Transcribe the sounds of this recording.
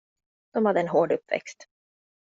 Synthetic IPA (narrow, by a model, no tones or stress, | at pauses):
d̪̥ɔmhad̪ːəɛnɦoːɖɵpːvɛ̰kst̪